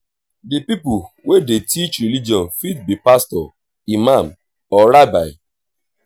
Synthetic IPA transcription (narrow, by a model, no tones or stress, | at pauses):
dipipu | wedetit͡ʃɾilid͡ʒɔ̃nfit̚bipastɔ | imam | ɔɾaba̰ɪ